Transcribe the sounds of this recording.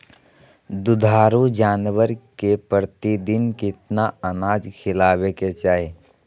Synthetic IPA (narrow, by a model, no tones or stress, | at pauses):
d̪ʊd̪ʱaːɾud͡ʒaːnʋəɾkepəɾt̪id̪ɪnkɪt̪naənaːd͡ʒkʰɪlaːʋeket͡ʃaːe